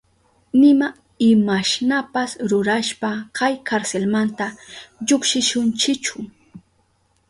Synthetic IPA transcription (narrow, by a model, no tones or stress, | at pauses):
nɪma | ɪmaʃnapasɾʊɾaʃpakajkʰaɾselmant̪aʎokʃɪʃʊnt͡ʃɪt͡ʃʊ